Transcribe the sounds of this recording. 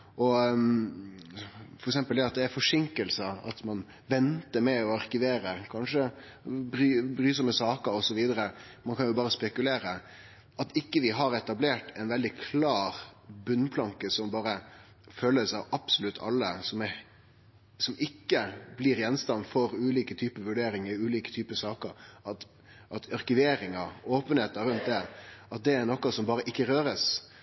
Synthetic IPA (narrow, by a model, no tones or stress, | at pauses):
ʔɔ | fɔɾɛksɛmpəld̪ɛɑt̪̚d̪ɛæɾfɔʂɪŋkəlsəɑ̰t̪mɑn | ʋɛnt̪əɾmɛɔɑɾkɪʋeːɾəkʰɑnʂə | bɾybɾyːsəməsɑːkəɾɔsɔʋiːd̪əɾəmɑnkʰɑnjʊbɑːɾəspɛkʉleːɾə | ʔɑt̪ɪkːəʋɪɦɑɾɛt̪ɑbleːʈɛɪnʋɛld̪ɪkʰlɑːɾbʉnːpʰlɑŋkəsɔmbɑːɾə | føːləsɑʋɑb̥sʊlʉt̪ʰːɑ̰lːəsɔmɛ | sɔmɪkːəbliɾjɛnst̪ɑnfɔɾʉːliːkət̪ʰyːpəʋʉɖeːɾɪŋəʉːliːkə̥t̪ʰyːpəsɑːkəɾɑt̪ | ʔɑt̪ɑɾkʉʋeːɾɪŋɑoːpənheːt̪əɾʉnt̪̚d̪ɛɑt̪̚d̪ɛæɾnɔkːɑsɔmbɑːɾəʔɪkːəɾøːɾəs